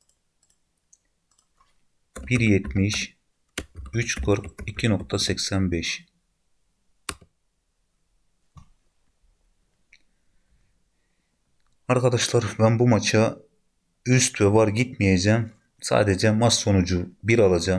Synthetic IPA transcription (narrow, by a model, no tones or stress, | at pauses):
b̥iɾjɛt̪miʃ | yt͡ʃkʰɯɾkicʰinok̚t̪ʰasɛcsænbɛʃ | aɾkad̪aʃlˠaɾbænbumat͡ʃʰa | yst̪vɛvaɾɟit̪mijed͡ʒæːm | sa̰ːd̪ed͡ʒɛmasːo̞nud͡ʒubiɾalˠad͡ʒa